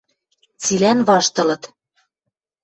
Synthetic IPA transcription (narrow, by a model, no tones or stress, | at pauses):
t͡silænβɑʃt̪ɤ̆lɤ̆t̪